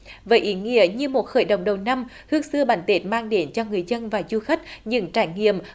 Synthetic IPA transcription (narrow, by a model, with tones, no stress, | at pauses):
vəː˨˦jʔi˨˦ŋḭ˧˥əɲɨ˧mo˨˩t̚xə̰ː˧˩jɗə̰˧˨wŋ͡mɗə˨˩wna˧m | hɨ˦˥ək̚sɨ˧əɓaː˨˦nt̪e˦˥t̚maː˧ŋɗe˨˦nt͡ɕɔ˧ŋɨ˨˩əjzə˧nvaː˨˩zu˧xa˦˥k̟̚ɲɨ̰˧ŋt͡ɕaː˧˩jŋḭ˧˨əm